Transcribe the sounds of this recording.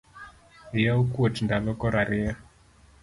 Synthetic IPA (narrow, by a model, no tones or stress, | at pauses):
ijaukuɔtindalɔkɔɾaɾɪa